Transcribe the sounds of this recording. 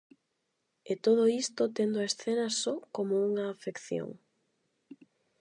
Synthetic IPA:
et̪oð̞oist̪ot̪end̪ʊaesθenɐsɔkomouŋaːfekθjo̰ŋ

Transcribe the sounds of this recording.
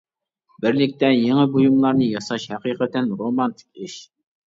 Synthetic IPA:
bɪɾlɪk̚ʲt̪ɛjeŋəbujumlˠɑɾnɨjɑsɑʃhæqiqət̪ænɾomɑnt̪ʰɪ̥k̚ʲɪʃ

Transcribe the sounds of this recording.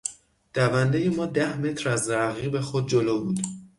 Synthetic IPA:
d̪̥ævænd̪ejemɒːd̪æhme̞t̪ʰɾæzɾæɣiːbe̞xod̪̚d͡ʒoloːbuːd̪

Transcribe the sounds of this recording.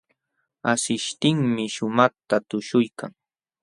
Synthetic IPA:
asɪʃt̪ɪŋmɪʃʊmaχt̪at̪ʊʃʊjkaŋ

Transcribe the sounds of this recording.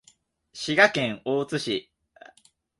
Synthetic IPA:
ɕiɡakẽ̞ŋ̃oːt͡sɨɕi

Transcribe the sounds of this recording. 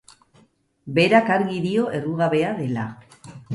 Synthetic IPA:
be̞ɾakaɾɣiðio̞ʔe̞ruɣaβe̞aðe̞la

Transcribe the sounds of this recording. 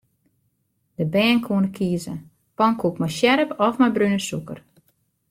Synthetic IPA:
d̥əbɛːnkʰuənəkʰiəzə | pɔŋkʰukmajʃjɛɾəpɔfmajbrynəsukər

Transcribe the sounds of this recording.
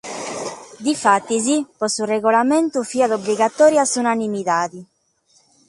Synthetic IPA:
d̪ifat̪ːizipɔsurɛɣɔlamɛnt̪ufiːaðobliɣat̪ɔːɾjasunanimiðaːði

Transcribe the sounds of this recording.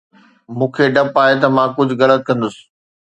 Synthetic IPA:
mũːkʰeɖɐpaːɦet̪ɐmãkʊd͡ʑʱʊɣɐlət̪̚kɐ̃nd̪ʊsɪ̥̆

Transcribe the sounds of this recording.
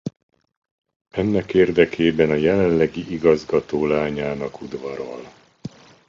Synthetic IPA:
ɛnːɛkeːrd̪ɛkʰeːbɛnɒjɛlɛllɛɡiʔiɡɒzɡɒt̪oːlaːɲaːnɒkud̪vɒɾo̰l

